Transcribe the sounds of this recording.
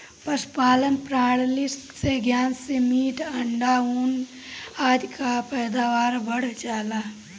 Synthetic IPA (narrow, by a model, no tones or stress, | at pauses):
pəspaːlənpɾaːɽlɪsseɡjaːnsemiːʈəɳɖauːn | aːd̪kapɛːd̪aːʋaːɾbəɽ̤d͡ʒaːlaː